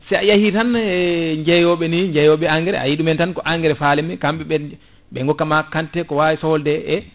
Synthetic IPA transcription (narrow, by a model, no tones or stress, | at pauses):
sɛjajahitanɛɲd͡ʒɛjɔɓɛniɲd͡ʒɛjɔɓɛaŋɡɛɾɛ̰a̰jiɗumɛntankɔʔaŋɡɛɾɛfalɛmikamɓɛɓɛ | ɓɛŋɡɔkːamakːantɛkɔwawisɔldɛɛ